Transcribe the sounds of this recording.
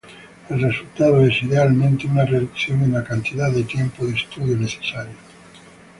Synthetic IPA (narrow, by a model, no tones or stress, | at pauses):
elresult̪að̞oesiðealmẽnt̪eunareðukθjoŋenakant̪iðaððet̪jempoðest̪uð̞joneθe̥saɾjo